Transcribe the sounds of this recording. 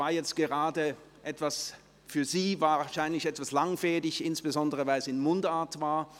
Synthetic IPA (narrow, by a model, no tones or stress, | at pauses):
vaːɐjɛt͡stɡ̥əʁaːdə | ʔɛtv̥as | fyːɐziːvaːʃaɪnlɪçɛtv̥aslaŋfɛːdɪçɪnsb̥əzɔndəʁəvaɪlsɪnmʊndaːɐtv̥aːɐ